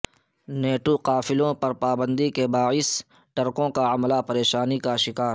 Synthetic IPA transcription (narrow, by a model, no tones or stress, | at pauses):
neːʈoqaːfɪlõpɐɾpaːbə̃nd̪ikebaːɪs | ʈɐɾkõkaɐmlapɐɾeːʃaːnikaʃɪkaːɾ